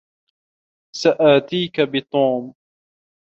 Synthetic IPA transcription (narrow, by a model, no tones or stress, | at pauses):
saʔaːt̪iːkabɪt̪ˤuːm